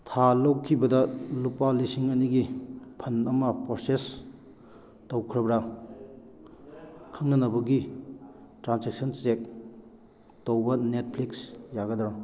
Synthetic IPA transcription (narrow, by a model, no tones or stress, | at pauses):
tʰalowkʰibɐdɐlupalisiŋɐniɡipʰɐnɐmɐpɾoses | towkʰɾɐbɾɐ | kʰɐmnɐnɐbɐɡi | tɾansek̚sɐnsek̚ | towbɐnet̚pʰliksjaɡɐdɾa